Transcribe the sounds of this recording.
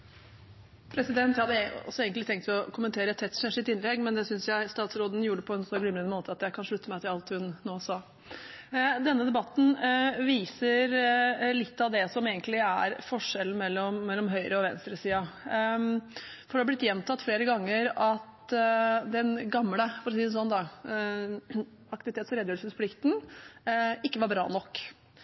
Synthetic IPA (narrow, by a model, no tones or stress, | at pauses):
pʰɾɛsɪd̪ɛnt̪hɑd̪ːəɔ̰sɔeːɡənɪt̪ʰɛŋkt̪ʰlɔkʰʊmənt̪ʰeːɾəɛt̪ʰːɛt̪ːʂɛʂɪt̪ɪnlɛɡmɛnd̪ɛsʏnsjæɪst̪ɑːt̪sɾoːd̪n̩juːɖəpʰɔɛnsɔɡlʏmɾənmoːt̪ʰəɑt̪jæɪkʰɑnʂɭʉt̪ːəmæɪt̪ʰɪlɑlt̪hʉnːoːsɑ | d̪ɛnːəd̪ɛbɑt̪ːn̩ʋiːsəɾlɪt̪ːɑʋd̪ɛsɔmeːɡənt̪lɪæɾfɔʂɛln̩mɛlːɔmːɛlːɔmɦœʏɾʔəɔʋɛnst̪ɾəsiːɑ | fɔɾɖ̪ɛhɑblɪt̪ːjɛmt̪ʰɑt̪ːfleːɾəɡɑŋːəɾɑt̪ | d̪ɛnɡɑmːləfɔɾɔs̬iːsɔnːd̪ɑ | ɑk̚t̪ɪʋɪt̪ʰeːt̪sɔɾɛd̪jøːsəspʰlɪkt̪n̩ | ɪkːəʋɑɾbɾɑ̰ːnɔkː